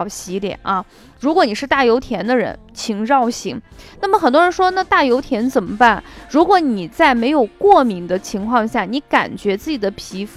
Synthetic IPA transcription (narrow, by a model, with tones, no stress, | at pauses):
ɕi˧˥ljɛ̰˨˩˦nʔɐ˧ | ɻu˧˥k̬wɔ˧˥ni˨˩ʂɻ̩˥˧t̪a˥˩jo˧˥ʊt̪ʰjɛ˧˥nd̪ə˧ɻə̰˧˥nt͡ɕʰi˧˥ŋɻɑ˥˩ʊɕi˧˥ŋna˥˩mə˩xə˨˩nt̪wɔ˥ɻə˧˥nʂwɔ˥na˥˧t̪a˥˩jo˧˥ʊt̪ʰjɛ˧˥nt͡sə˨˩nmə˦pa˥˩nɻu˧˥kwɔ˧˥ni˨˩t͡sa˥˩ɪme˧˥ɪjo˨˩ʊkwɔ˥˩mi˧˥ŋd̪ə˧t͡ɕʰi˧˥ŋkʰwɑ˥˧ŋɕja˥˩ni˧˥ka̰˨˩nt͡ɕɥɛ˧˥t͡sɹ̩˥˩t͡ɕi˨˩d̪ə˦pʰi˧˥f